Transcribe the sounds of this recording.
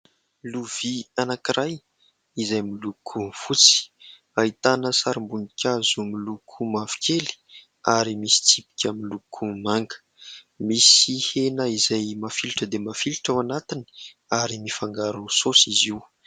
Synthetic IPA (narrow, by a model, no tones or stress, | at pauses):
luv̥ianakiɾaj | izajmilukʰufut͡si̥ | ait̪anəsaɾimbunikʲazumilukʰumavi̥kʰʲeli̥ | aɾimisi̥t͡sipi̥kʲəmilukʰumaŋɡə̥ | misihenəizajmafiluʈ͡ʂəd̪emafiluʈ͡ʂawanat̪ini̥ | aɾimifaŋɡaɾusosiziw